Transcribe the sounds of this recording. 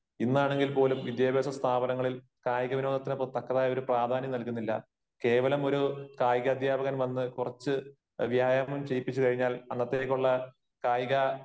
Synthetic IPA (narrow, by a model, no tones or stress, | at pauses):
inːaːɳe̞ŋɡilpo̞ːlumʋid̪jaːbeːsɐst̪ʰaːbɐnɐŋːɐɭil | kaːjɐɣɐʋinoːd̪ɐt̪ːinɨprɨt̪ːɐkːɐðaːjo̞ɾupraːd̪ʱaːnjɐmnɐlkunːilːɐ̰ | ke̞ːʋɐlɐmo̞ɾukaːjiɣɐːd̪ʱjaːbɐɣɐnʋɐnːɨkurɐt͡ɕːɨ | ʋjaːjamumt͡ɕejpːit͡ɕːukɐɻiɲːaːlɐnːɐt̪ːeːkʲːuɭːɐ | kaːjiɣɐ